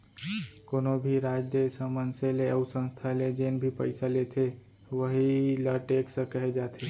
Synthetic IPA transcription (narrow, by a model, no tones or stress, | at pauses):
koːnobʱiɾad͡ʒjəsəmənseleəʊsə̃nst̪ʰaled͡ʒenbʱipəɪsalet̪ʰe | ʋəɦiləʈeksə̃kəɦed͡ʒat̪ʰe